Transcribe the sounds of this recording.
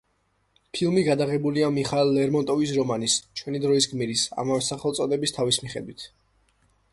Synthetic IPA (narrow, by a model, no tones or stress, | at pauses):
pʰilˠmiɡad̪aʁɛbuliamiχalːɛɾmɔnt̪ʼɔvis̬ɾɔmanist͡ʃʰwɛnid̪ɾɔis̬ɡmiɾisa̰mavɛsaχɛlt̪sʼɔd̪ɛbist̪ʰavismiχɛd̪wit̪ʰ